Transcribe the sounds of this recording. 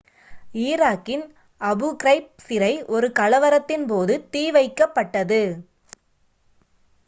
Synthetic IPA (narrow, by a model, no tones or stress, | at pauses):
iːɾaːkːɪn | ɐbɯkɪɾɐɪp̚sɪɾɐɪʔɔɾɯkɐlɐʋɐɾɐt̪ːɪnpoːðɯt̪iːʋɐɪkːɐpːɐʈːɐðɯ